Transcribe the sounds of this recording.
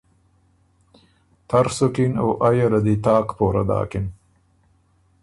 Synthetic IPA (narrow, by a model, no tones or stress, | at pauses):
t̪ʰaɾsokinoːʔajaɾad̪it̪ɑːqpoːɾa̰d̪ɑ̰ːkɪn